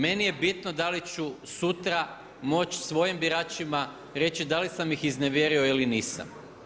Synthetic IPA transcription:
me̞nije̞bit̪nod̪alit͡ɕusut̪ɾa | mo̞t͡ʃsʋo̞jimbiɾaːt͡ʃima | ɾe̞t͡ɕid̪alisamjixizne̞ʋje̞ɾio̞iliniːsa̰m

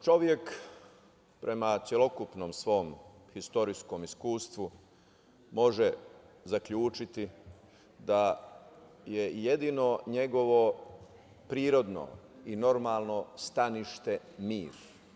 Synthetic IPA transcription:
t͡ʃo̞ʋje̞k | pɾʔe̞mat̪sʲjelo̞kupnoːmsʋo̞ːmxist̪o̞ɾisko̞miskuːst̪ʋu | mo̞ʒe | zakʎuːt͡ʃit̪i | d̪a | je̞je̞d̪ino̞ɲe̞ɡo̞ʋo̞ | pɾiːɾo̞d̪no̰ | ino̞ɾmaːlˠno̞st̪aniʃt̪e̞ | miːɾ

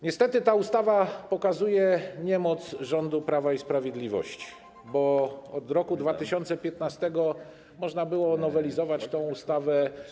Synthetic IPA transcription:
ɲɛst̪ɛt̪ɘt̪aust̪avapɔkazujɛɲɛmɔt̪sʐɔnd̪upɾavaispɾavʲjɛd̪lʲivɔ̰ɕt͡ɕi̥ | bɔɔd̪ɾɔkud̪vat̪ɘɕɔnt̪sɛpʲjɛt̪nast̪ɛɡɔ | mɔʐnabɘwɔnɔvɛlʲizɔvat͡ɕt̪ɔ̃w̃ust̪avɛ

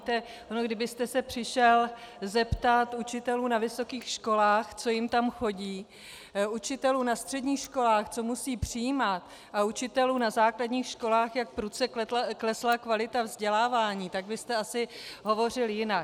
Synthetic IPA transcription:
t̪ɛ | ʔonoɡdɪbɪst̪ɛsɛpr̝̥ɪʃɛlzɛpt̪at̪ut͡ʃɪt̪ɛluːnavɪso̞kiːxʃko̞laːxt͡so̞jɪmt̪amxo̞ɟiː | ut͡ʃɪt̪ɛluːnast̪r̝̥ɛdɲiːxʃko̞laːxt͡so̞musiːpr̝̥ɪjiːmat̪ | ʔaut͡ʃɪt̪ɛluːnazaːkladɲiːxʃko̞laːxjakpɾut͡sɛkklɛslakvalɪt̪avzɟɛlaːvaːɲiːt̪aɡbɪst̪ɛasɪɦo̞vo̞rɪljɪnak

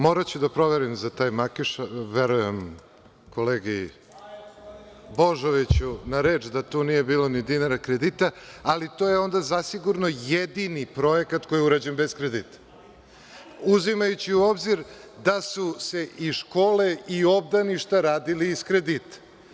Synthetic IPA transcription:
mo̞ɾat͡ɕud̪apɾo̞ʋeɾimzat̪aːjmakiʃaʋeɾujem | ko̞leːɡi | boʒoʋit͡ɕunaɾe̞ːt͡ʃd̪at̪uːnije̞biːlo̞nid̪inaɾakɾed̪it̪aalit̪ojeo̞nd̪azasiɡuɾnojed̪inipɾo̞jekat̪ko̞jiuɾad͡ʑenbe̞skɾed̪it̪ḁ | uzimajut͡ɕiuo̞bziɾd̪asuse̞ʔiʃko̞ːle̞io̞bd̪aniʃt̪aɾaːd̪iliːskɾed̪it̪ḁ

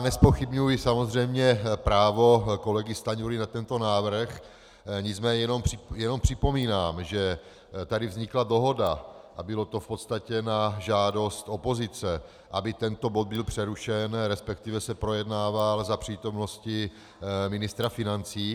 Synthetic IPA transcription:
nɛspo̞xɪbɲujjɪsamozr̝ɛjmɲɛpɾaːvo̞ko̞lɛɡɪst̪aɲuɾɪnat̪ɛnt̪o̞naːvr̩x | ɲɪt͡smɛːɲɛɛnomrɪjɛno̞mpr̝̥ɪpo̞miːnaːmʒɛ | t̪adɪvzɲɪklado̞ɦo̞daʔabɪlo̞t̪o̞fpo̞t̪st̪acɛnaʒaːdo̞st̪ʔo̞po̞zɪt͡sɛ | ʔabɪt̪ɛnt̪o̞bo̞d̪̚bɪlpr̝̥ɛɾuʃɛnɾɛspɛk̚t̪ivɛsɛpɾo̞jɛdnaːvalzapr̝̥iːt̪o̞mno̞scɪ | mɪnɪst̪ɾafɪnant͡siː

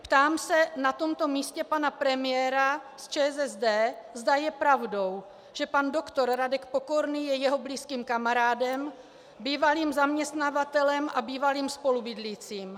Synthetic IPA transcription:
pt̪aːmsɛnat̪o̞mt̪o̞miːscɛpanapɾɛmɪjɛːɾa | st͡ʃɛːzɛzdɛːzdajɛpɾavdo̞w | ʒ̥ɛpandokt̪o̞ɾɾadɛkpo̞ko̞ɾniːjɛjɛɦo̞bliːskiːmkamaɾaːdɛm | biːvaliːmzamɲɛst̪navat̪ɛlɛmʔabiːvaliːmspo̞lubɪdlit͡siːm

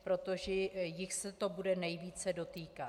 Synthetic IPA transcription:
pɾo̞t̪o̞ʒɛjɪxsɛt̪o̞budɛnɛjviːt͡sɛdo̞t̪iːka

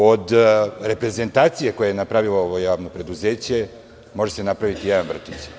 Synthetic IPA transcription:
o̞d̪ɾe̞pɾe̞ze̞nt̪aːt̪sijeko̞jejenapɾaʋilˠooʋojaːʋno̞pɾe̞d̪uzeːt͡ɕe̞ | mo̞ʒesenapɾaʋit̪ijed̪anvr̩t̪it͡ɕ

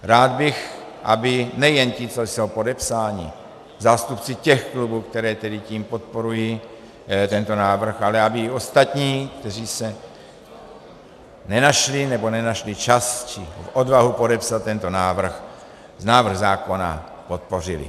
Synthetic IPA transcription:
ɾaːd̪̚bɪx | ʔa̰bɪnɛjɛncit͡sosowpo̞dɛpsaːɲɪ̰ | zaːst̪upt͡sɪcɛxklubuːkt̪ɛɾɛːt̪ɛdɪciːmpo̞t̪̚po̞ɾuji | t̪ɛnt̪o̞naːvr̩xalɛabɪo̞st̪at̪ɲiːkt̪ɛriːsɛ | nɛnaʃlɪnɛbo̞nɛnaʃlɪt͡ʃast͡ʃɪfʔodvaɦupo̞dɛpsalt̪ːɛnt̪o̞naːvr̩x | naːvr̩ɣzaːko̞na̰ | po̞t̪̚po̞r̝ɪlɪ̰

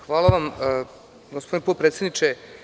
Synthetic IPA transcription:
xʋaːlˠaʋam | ɡospo̞d̪inepot̪̚pɾet̪sʲed̪nit͡ʃe

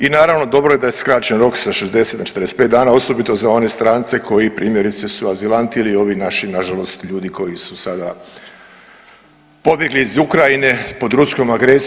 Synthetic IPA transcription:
inaːɾaʋno̞d̪o̞bɾoje̞d̪ajeskɾat͡ɕe̞nɾo̞ksaʃezd̪e̞se̞t̪at͡ʃe̥t̪ɾdest̪̚pet̪d̪aːnao̞so̞bit̪o̞zao̞ne̞st̪ɾaːnt̪se̞kʰo̞jipɾʔiːmje̞ɾit̪sesuazilˠant̪iiliːo̞ʋinaʃinaʒalo̞st̪ʎuːd̪iko̞jisusad̪a | po̞bje̞ɡliːzukɾajine̞po̞d̪ɾusko̞maɡɾe̞s

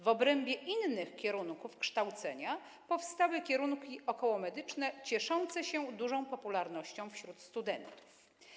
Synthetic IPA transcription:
vɔbɾɛmbʲjɛʔinːɘxkʲɛɾuŋkufkʂt̪awt̪sɛɲa | pɔfst̪awɘkʲjɛɾuŋkʲiʔɔkɔwɔmɛd̪ɘt͡ʂnɛt͡ɕɛʂɔnt̪sɛɕɛd̪uʐɔ̃w̃pɔpulaɾnɔɕt͡ɕɔ̃w̃fɕɾut̪st̪ud̪ɛnt̪u̥f

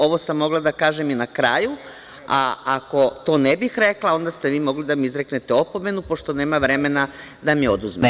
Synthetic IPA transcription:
o̞ʋosamːo̞ɡlˠad̪akaːʒeminakɾaːju | aako̞t̪o̞ːnebixɾeklˠao̞nd̪ast̪eʋiːmo̞ɡlid̪amiizɾeknet̪eo̞po̞me̞nupo̞ʃt̪o̞ne̞ːmaʋɾe̞me̞na | d̪amiod̪uzmḛ

